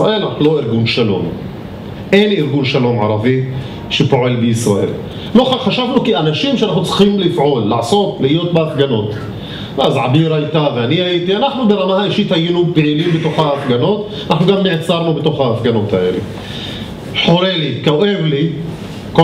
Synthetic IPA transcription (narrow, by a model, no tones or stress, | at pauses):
aʔelaauloiɾɡunʃalo̞̰m | ʔeniɾɡunʃalo̞mʕa̰ɾˤavi | ʃepo̞ʕelbeisɾaʔe̞̰l | loaχaʃavnukianaʃimʃeʔanaχnut͡sʁ̥ximlifʕolːaʕso̞t̪lihijo̞t̪̚beafɡanot̪ | vazʕabiɾajt̪aveanihajit̪ianaχnubeɾamahaiʃit̪hajinubeʕilimbet̪oχaːfɡano̞t̪ | anʔaħnuɡamːeʕt͡saɾnubet̪oχhaːfɡano̞t̪haʔelḛ | ħoɾelikaoʔevli | ko